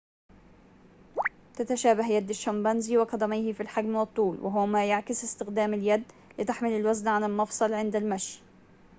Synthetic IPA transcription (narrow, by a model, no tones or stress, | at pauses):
t̪at̪aʃæːbaɦjad̪ːaʃːambɑnziwɪqɑd̪ˤɑmajhɪfilħaɡmwɨt̪ˤːuːlwɪ̰ɦʊwmæːjaʕkɪsɪst̪ɪxd̪æːmɪljad̪ː | lɪt̪aħmɪlɪlwaznʕanɪlmɑfsˤɑlʕɪnd̪almaʃj